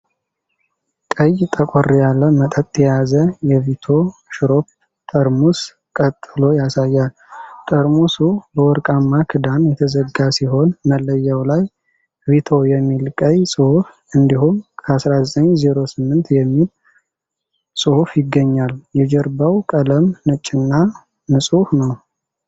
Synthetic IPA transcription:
kʼəjt̪ʼəkʼorjalːəmət̪ʼət̪ʼːjɛjazəjɛvit̪ʰo̞ʃɾo̞p̚ | t̪ʼəɾmus | kʼət̪ʼːɨlo̞jasajːal | t̪ʼəɾmusubəwɔɾkʼamːakʰɨd̪anjɛt̪ʰəzəɡasiɦo̞nməlːəjːawlaj | vit̪ʰo̞jɛmːilkʼəjsʼɨhuf | ɨnd̪ihumkʰəasɾazət̪ʼəɲzeɾo̞sɨmːɨnt̪jɛmːil | sʼɨhufjɪɡːəɲːaljɛd͡ʒɛɾbawkʼələmnɨt͡ʃʼːɪnːa | nɨsʼuhnəw

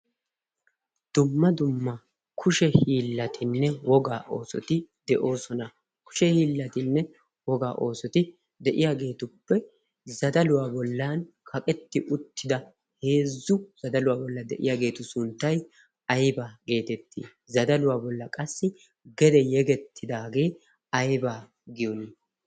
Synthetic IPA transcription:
d̪̥ʊmːɐd̪ʊmːɐ | kʰʊʃɛhiːlːɐt̪ʰɪnːɛwɔɡaːʔo̞ːsɔ̰t̪ɪd̪ɛʔo̞ːsɔnɐ | kʊ̥ʃɛhiːlːɐt̪ɪnːɛ | wɔɡa̰ːʔo̞ːsɔt̪ɪ | d̪ɛʔɪjaːɡe̞ːt̪ʊpːɛ | zɐd̪ɐlʊwaːbɔlːan | kʰɐkʼɛt̪ːɪʔʊt̪ːɪd̪ɐ | he̞ːzːʊz̥ɐd̪ɐlʊwaːbɔlːɐd̪ɛ̰ʔɪ̰jaːɡe̞ːt̪ʊsʊnt̪ːɐj | ɐjbaɡe̞ːt̪ɛt̪ːḭː | zɐd̪ɐlʊwaːbɔlːɐkʼɐsːɪ | ɡɛd̪ɛjɛɡɛt̪ʰːɪd̪aːɡe̞ː | ɐjbaː | ɡɪjɔnɪ

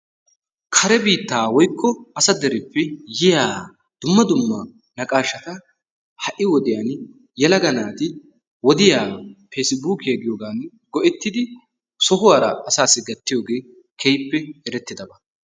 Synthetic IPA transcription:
kʰɐɾɛbiːt̪ːaːwɔjkʰːɔɐsɐd̪ɛɾɪpːɛjɪjaː | d̪̥ʊmːɐd̪ʊmːɐ | nɐkʼaːʃːɐt̪ɐ | hɐʔːɪwɔd̪ɪjaːn | jɛlɐɡɐnaːt̪ɪ | wɔd̪ɪjaːpeːsɪbuːkɪɐɡɪjoːɡaːn | ɡɔʔɛt̪ːɪd̪ɪ | sɔɦʊwaːɾɐ̰ːsaːsːɪɡɐt̪ːɪjoːɡe̞ː | kʰɛjpːɛɛɾɛt̪ːɪd̪ɐbɐ

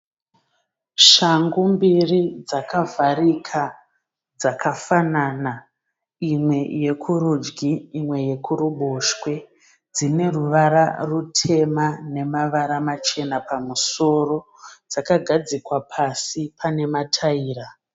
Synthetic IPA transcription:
ʃaŋɡumbirid͡zakavʱaɾikʰa | d͡zakʰafanana | imwe̞je̞kʰuɾud͡ʒɡiːmwe̞je̞kuɾuɓoʃkwe̞ | d͡zine̞ruʋaɾa̰rutʰe̞mane̞maʋaɾamat͡ʃe̞napamuso̞ro̞ | d͡zakaɡʱad͡zikwapʰasipʰane̞matʰaiːra

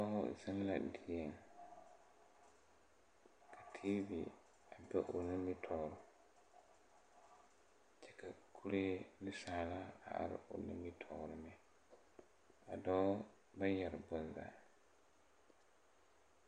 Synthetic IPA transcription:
ɔ̰sanla̰dijɛn | kʰatʰivi | ʔabɛʔonimitʰɔɾɔ | t͡ʃɛkakʰuɾelisalaa̰a̰ɾ̰o̰numitʰɔɾɔmɛ | adɔ | bajaɾbɔnda̰

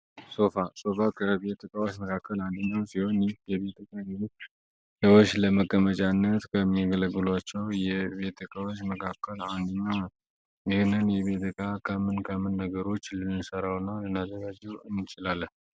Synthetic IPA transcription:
so̞faso̞fakʰəβe̞t̪ʰːəkʼawot͡ʃməkʰakːəland̪əɲːawsiho̞nijɛβe̞t̪ʰɨkʼaj | səwot͡ʃːləməkʼːəmət͡ʃʼanːət̪kʰəmːiɡələɡɨlwat͡ʃːɛwjɛβe̞t̪ʰɨkʰʼawot͡ʃːməkʰakʰːəland̪əɲːaw | ɪhnɨnjɛβe̞t̪ʰɨkʰʼakʰəmɨnkʰəmɨnːəɡəɾo̞t͡ʃːlɨnɨsəɾawnːalɨnazəɡad͡ʒɛwɨnːɨt͡ʃʼɪlalːə

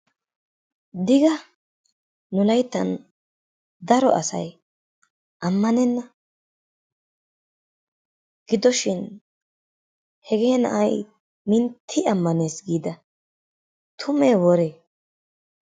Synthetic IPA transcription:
d̪ɪɡɐ | nʊlɐjt̪ːɐn | d̪ɐɾɔ̰ʔɐsɐ̰j | ʔɐmːɐnɛnːɐ | ɡ̥ɪd̪ɔʃɪn | hɛɡeːnɐ̰ʔɐj | mɪnt̪ʰːɪɐmːɐne̞ːsɡiːd̪ɐ | t̪ʰʊmeːwɔɾeː

